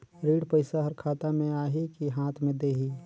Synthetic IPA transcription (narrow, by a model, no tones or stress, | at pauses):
ɾiːɽpəɪsaɦəɾkʰaːt̪amẽaːɦikiɦaːt̪ʰmẽd̪eːɦi